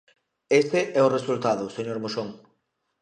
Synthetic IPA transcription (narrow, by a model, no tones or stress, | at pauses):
est̪eʔɛʊresult̪aðʊseɲoɾmoʃoŋ